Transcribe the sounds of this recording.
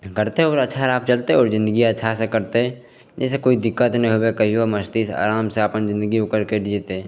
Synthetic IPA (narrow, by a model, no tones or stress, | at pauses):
kəɾt̪eɦɔːɾəːʃʰaɾaːp̚t͡ʃəlt̪eɔːɾzɪ̃nd̪əɡiətːʃʰasekəɾt̪eɦɛ̃ | d͡ʒeːs̬ekoːid̪ɪkːət̪nəĩɦobekəɦiaməst̪isa̰ːɾaːmseapənzɪ̃nd̪əɡiʊkəɾkedd͡ʒt̪e